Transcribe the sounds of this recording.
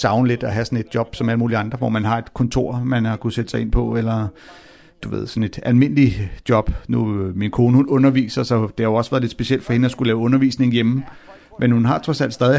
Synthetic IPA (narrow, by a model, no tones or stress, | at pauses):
sɑ̈ʊnəle̝d̥ɒɦæsɒ̽ne̝d̥̚djɒ̽b̥sɒ̽mæləmuːliɑ̈nd̥ʁɐʋɒ̰mænɦɑ̈e̝d̥kʰɔ̽nt͡sʰo̝ɐ̰mænhɑ̈kʰused̥əsɑɪe̝npʰɒ̽elɐ | d̥uʋe̝ð̰ˠsɒ̽ne̝d̥ælme̝n̰lid̥jɒ̽b̥numinkʰo̝ːnəhunɔ̽nɐʋḭːsɐsɒ̽d̥e̝hɑ̈oʊɒ̽sʋæɐðˠled̥sb̥e̝siel̰d̥fɒ̽he̝nəɒ̽sɡ̥ulɛːʊɔ̽nɐʋḭːsne̝ŋ̩jem̩ | mʔenhunɦɑ̈t͡sʰʁɒ̽sæl̰d̥sd̥ɛːðˠi